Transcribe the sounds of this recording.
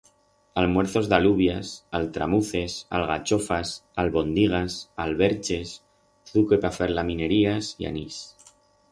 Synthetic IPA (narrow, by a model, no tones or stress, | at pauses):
almwe̞ɾθo̞zðaluβjasalt̪ɾa̰muθe̞sa̰lɣat͡ʃo̞fasalβo̞nd̪iɣ̞asalβe̞ɾt͡ʃe̞s | θukepafeɾlamĩne̞ɾiasḭa̰nis